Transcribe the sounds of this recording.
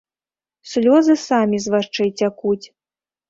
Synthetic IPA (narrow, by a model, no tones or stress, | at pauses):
sʲlʲɔzɨsamʲizvaʂt͡ʂɛjt͡sʲakut͡sʲ